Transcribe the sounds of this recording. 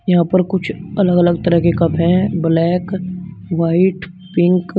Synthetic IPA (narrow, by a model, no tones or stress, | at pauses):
jɐɦãːpɐɾkʊt͡ʃʰɐləɡɐləɡt̪ɐɾəɦkekɐbɦɛ̃blɛːkʋaːɪʈ | pɪ̃ŋk